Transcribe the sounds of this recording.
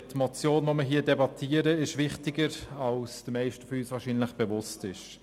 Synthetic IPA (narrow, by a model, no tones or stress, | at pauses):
tmɔt͡sjoːnʋoməɦiːdɛbɑtʰiːəɾəɪʃʋɪχtɪɡəɾalsd̥əmɛɪʃtəfɔyːsʋaːʃiːnlɪχb̥eʋʊstɪʃ